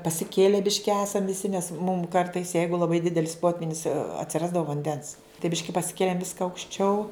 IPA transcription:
pɐsʲɪˈkʲeːlʲɛ ˈbʲɪʃʲkʲɪ ˈæːsɐm ʋʲɪˈsʲɪ nʲɛs mʊm ˈkɐrtɐɪs ˈjɛɪɡʊ lˠɐˈbɐɪ ˈdʲɪdʲɛlʲɪs ˈpoːtʲʋʲiːnʲɪs ɐtʲsʲɪˈrɑːzdɐʋoː ʋɐnʲˈdʲɛns tɐɪ ˈbʲɪʃʲkʲɪ pɐsʲɪˈkʲeːlʲeːm ˈʋʲɪskɐ ɐʊkʃʲˈt͡ʃʲɛʊ

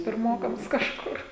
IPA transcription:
pʲɪrˈmoːkɐms kɐʃˈkʊr

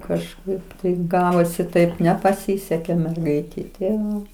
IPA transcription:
kɐʃˈkɐɪp tɐɪp ˈɡɑːʋoːsʲɪ ˈtɐɪp nʲɛpɐˈsʲɪsʲɛkʲeː mʲɛrˈɡɐɪtʲɛɪ tʲɪ ˈʋɐ

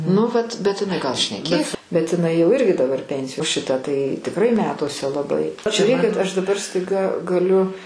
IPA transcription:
nʊ ˈʋɐt bʲɛt ɪˈnɐɪ ɡɐlˠ ʃʲnʲɛˈkʲeːs bʲɛt ɪˈnɐɪ jɛʊ ˈɪrʲɡʲɪ dɐˈbɐr ˈpʲɛnʲsʲɪjoː oː ˈʃʲɪtɐ tɐɪ tʲɪkˈrɐɪ ˈmʲæːtuɔsʲɛ lˠɐˈbɐɪ ʒʲʊˈrʲeːkʲɪt ɐʃ dɐˈbɐr stɐɪˈɡɐ ɡɐˈlʲʊ

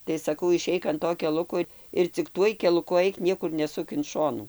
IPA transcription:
tɐɪ sɐˈkɐʊ ɪˈʃʲɛɪk ɐn ˈtoː kʲɛˈlˠʊkoː ɪr t͡sʲɪk ˈtuɔj kʲɛlˠʊˈkʊ ˈɐɪk ˈnʲiɛkʊr nʲɛˈsʊk ɪn ˈʃoːnuː

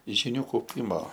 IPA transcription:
ʒʲɪˈnʲuː kɐʊˈpʲɪmoː

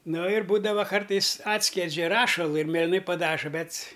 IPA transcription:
ˈnoː ɪr ˈbuːdɐʋɐ ˈkɐrtɐɪs ˈɑːtʲsʲkʲiɛd͡ʒʲɛ ˈrɑːʃɐlˠʊ ɪr mʲeːlʲɪˈnɐɪ pɐˈdɑːʒɐ ˈbʲɛt s

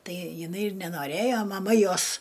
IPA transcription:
ˈtɐɪ jɪˈnɐɪ ɪr nʲɛnoːˈrʲeːjoː mɐˈmɐ ˈjoːs

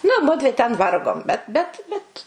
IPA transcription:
nʊ ˈmʊdʲʋʲɪ tʲɛn ˈʋɐrɡoːm bʲɛt bʲɛt ˈbʲɛt

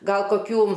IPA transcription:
ˈɡɐlˠ koːˈkʲuː

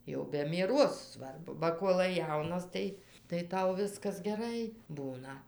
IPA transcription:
jɛʊ bʲɛ mʲiɛˈroːs ˈsʋɐrbʊ bɐ ˈkuɔlˠɐɪ ˈjɛʊnɐs tɐɪ tɐɪ ˈtɐʊ ˈʋʲɪskɐs ɡʲɛˈrɐɪ ˈbuːnɐ

